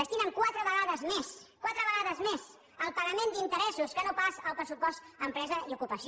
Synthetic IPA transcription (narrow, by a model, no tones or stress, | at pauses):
əst̪inəŋkwat̪ɾəβəɣaðəzmeskwat̪ɾəβəɣaðəzmez | əlˠpəɣəmend̪int̪əɾɛsuskənopasəlˠpɾəsupɔst̪əmpɾɛzəiukupəs